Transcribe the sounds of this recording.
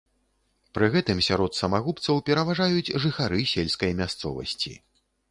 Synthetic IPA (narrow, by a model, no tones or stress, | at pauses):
pɾɨɣɛt̪ɨmsʲaɾɔt̪sɐmaɣupt̪sɐwpʲɛɾɐvaʐajud͡zʲʐɨxaɾɨsʲelʲskɐjmʲast̪sɔ̰vɐ̰sʲt͡sʲḭ